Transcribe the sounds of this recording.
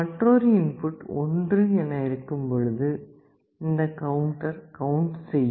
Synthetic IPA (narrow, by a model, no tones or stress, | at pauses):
ɐʈɾoːɾiɪnfʊʈːɔndrɯɛnːɐɪɾɯkːɯmpɔɻɯðɯ | ɪnd̪ɐkɐwʊɳʈɐɾkɐʊɳʈsɛjːɯ